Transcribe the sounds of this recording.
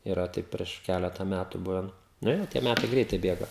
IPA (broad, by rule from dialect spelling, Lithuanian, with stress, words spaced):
iːˈrɐ ˈtɐɪp pʲrʲiɛʃ ˈkʲælʲɛtɐ ˈmʲætʊ ˈbʊʋʲɛn ˈnʊ jɛʊ tʲiɛ ˈmʲætɐɪ ˈɡrʲɛɪtɐɪ ˈbʲeːɡɐ